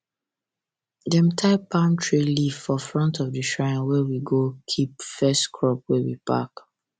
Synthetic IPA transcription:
dɛ̃mtʰaɪpʰãntʰɹeliv̥fɔfɹɔ̃ntʰɔvdəʃɹãɪ̃nwɛwiɡokʰipfɛstkʰɹɔp̚wɛwḭpa̰k

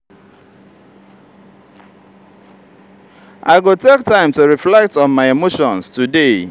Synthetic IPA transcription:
ʔaɪɡotek̚tãɪ̃mtuɹiflɛk̚tɔ̃nmaɪemoʃɔ̃nstude

